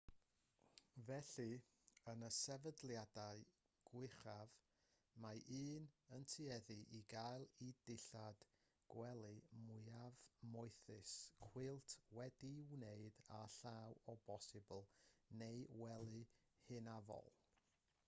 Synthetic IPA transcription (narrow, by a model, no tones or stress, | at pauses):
vɛɬɨ | ənəsɛvədlˠjadaɨ | ɡ̥wɪχav | maʔiːnəntʰɨɛðɨʔiɡajlˠidɪɬad̥ | ɡ̥wɛlˠɨmʊɨavmʊɨθɨskʰw̥ɪlˠtʰwɛdiwneɨdaɬawɔbɔsɨbəlˠneɨwɛlˠɨ | hɨnavɔ̰lˠ